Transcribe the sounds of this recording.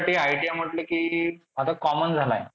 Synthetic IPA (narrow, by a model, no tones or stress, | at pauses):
aʈiːajʈijam̤əʈlekiːat̪akɔmənd͡zʱala̰j